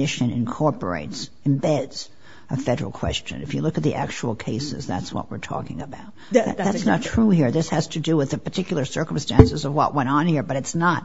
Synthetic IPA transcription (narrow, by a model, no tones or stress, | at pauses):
ɪʃɨ̃nɨ̰̃nkʰɔɹpə̰˞ḛɪts | ɨ̃mbɛdz̥ | ɨfɛɾə̰˞l̩ˠkʰw̥ɛ̰st͡ʃɨ̰̃nɨfjɨlʊkɨt̪̚ðiʔæk̚t͡ʃul̩ˠkʰeɪsɨ̰zðæ̰tswʌ̰ʔ̚wɨ̰ɹtʰɔ̰kɪ̰̃ŋɨbaʊt̪̚ðætsnətʰɹ̥uhiɹðɪshɨz̥tʰɨdɨwɨðɨpə˞tʰɪkjl̩ˠə˞sɜ˞km̩stæ̃nsɨzʌvwʌ̰ʔwʔɛ̃ɾ̃n̩hiɹbʌɾɨtsnət̚